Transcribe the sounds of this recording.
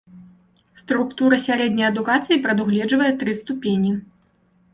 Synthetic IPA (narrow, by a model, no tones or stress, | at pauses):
st̪ɾukt̪uɾɐsʲaɾɛd̪ʲnʲɐjɐd̪ukat̪sɨjipɾɐd̪uɣlʲɛd͡ʐvɐjɛt̪ɾɨst̪upʲenʲi